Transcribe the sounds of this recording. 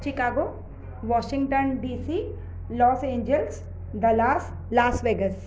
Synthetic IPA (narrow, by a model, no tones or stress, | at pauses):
t͡ʃɪkaːɡo | ʋɔːʃɪ̃ŋɡʈənɖiːsi | lɔːsẽːɲd͡ʒəls | d̪ɐlaːs | laːsʋeːɡəs